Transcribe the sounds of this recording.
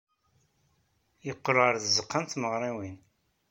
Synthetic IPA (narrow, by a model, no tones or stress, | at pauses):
jəqːəɾʁəɾðəzəqːənt̪məʁɾˤiwin